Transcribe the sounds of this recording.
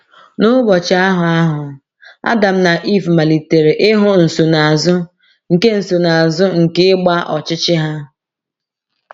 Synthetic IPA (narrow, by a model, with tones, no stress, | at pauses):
nʊ˦ɡ͡bɔ˨t͡ʃa˦ɦʊ˨a˦ɦʊ˨ | a̰˦da˨m̩˦na˨ʔi˦˨fma˨li˨te˨ɾe˨ʔɪ˦ɦʊ˦n̩˨so˨na˨a˨zʊ˦ | ŋ̩˨ke˦n̩˨so˨na˨a˨zʊ˦ŋ̩˨kɪ˦ɪ˦ɡ͡ba˦ʔɔ˨t͡ʃɪ˦t͡ʃɪ˦ɦa˦